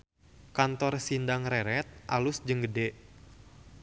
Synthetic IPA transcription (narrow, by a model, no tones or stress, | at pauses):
kant̪ɔrsindaŋrɛɾɛt̪̚ʔalʊsd͡ʒəŋɡədeʔ